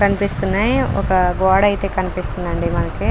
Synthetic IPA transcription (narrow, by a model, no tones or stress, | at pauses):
kɐnipist̪unːaːjɔ̰kɐɡɔːɽɐjt̪e̞ːkɐnipist̪und̪ɐɳɖimɐnɐki